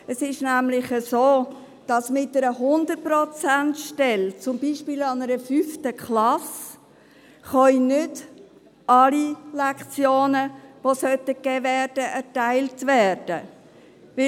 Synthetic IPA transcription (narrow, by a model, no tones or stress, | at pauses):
əsɪʃnæmlɪχəsoː | d̥ɑsmɪtːəɾəɦʊnd̪ət̚pɾɔt͡sæntʃtɛlt͡sʊmbiːʃpiːlɑnəɾəfyftəkχlɑs | χœinʏd | ɑlilɛkχt͡sjoːnəʋosœtəkɛːvɛːɾd̥əʔɛɾtæɪltvɛrd̥ə | ʋɪ